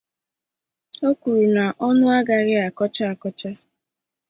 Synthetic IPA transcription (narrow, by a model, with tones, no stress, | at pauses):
o˦kʷu˨ɾu˨na˨ʔɔ˦nʊ˦a˦ɡa˨ɾɪ˦a˨kɔ˦t͡ʃa˦a˨kɔ˦t͡ʃa˦